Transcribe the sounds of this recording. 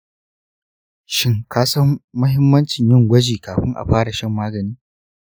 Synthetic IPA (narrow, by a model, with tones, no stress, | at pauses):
ʃɪ˦ŋkʰaː˦sɐ˦mmɐ˦ɦɪ˦mːɐ˦nt͡ʃɪ˨ɲjɪ˦ŋɡʷɐ˦d͡ʒiː˨kaː˨ɸɪ˦ŋʔa̰˨ɸaː˦ɽa˨ʃɐ˦mːaː˦ɡɐ˨niː˦